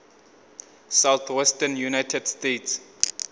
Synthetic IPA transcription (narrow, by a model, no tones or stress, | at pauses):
sawθʰwɛstɛnjunajtʰɛdstetʰs